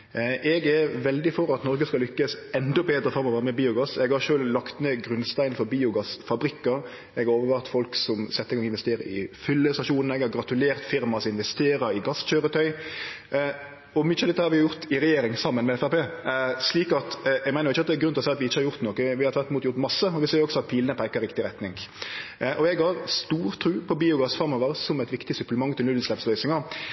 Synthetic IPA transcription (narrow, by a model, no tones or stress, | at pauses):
ʔɛɡɛɾʋɛld̪ɪfɔɾɑt̪nɔɾɡəskɑlʏkːəsɛnd̪ɔbeːd̪ɾəfɔɾɑmɔʋæːɾəmɛbiːʊɡɑsɛɡhɑɾʃøːllɑkt̪neːɡɾʉnst̪æɪnfɔɾbiːʊɡɑsfɑbɾɪkːəɾ | ɛɡhɑɾoːʋəɾʋɑːt̪fɔlksɔmsɛt̪ːɛɪɡɑŋːɪnʋɛst̪eːɾə̰ɪfʏlːəst̪ɑʃuːnn̩əɛɡhɑɾɡɾɑt̪ʉleːɾt̪fɪɾmɑsɪnʋɛst̪eːɾəɪɡɑsc͡çøːɾət̪ʰœʏ | ɔmʏçəd̪ɛt̪ːhɑɾʋɪjʊɾt̪ɪɾɛjeːɾɪŋsɑmːənmɛɛfæpeːsliːkɑt̪ɛɡmæɪnɾʊɪçːəɑt̪̚d̪ɛːɾɡɾʉnt̪əɔsæɪɑt̪ʋɪɪçːəhɑɾjʊɾt̪noːkəʋɪhɑɾt̪ʰʋæɾt̪ɪmuːt̪jʊɾt̪mɑsːəɔʋɪseːɾɔɡsɔɑt̪̚pʰiːlənəpʰæɪkːəɾɪkt̪ɪɾɛt̪nɪŋ | ʔɔɛɡhɑɾst̪uːɾt̪ʰɾʉːpʰɔbiːʊɡɑsfɑɾmɔʋəɾsɔmæɪt̪ʋɪkt̪ɪsʉpləmɑŋt̪ʰɪlʉəslɛpslœʏsɪŋə